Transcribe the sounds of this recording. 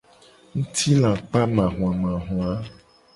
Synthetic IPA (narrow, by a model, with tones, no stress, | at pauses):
ŋũ˦t̪ʰi˦lã˨k͡pa˦mã˨ɦũ˨ã˨mã˨ɦũ˨a˨˦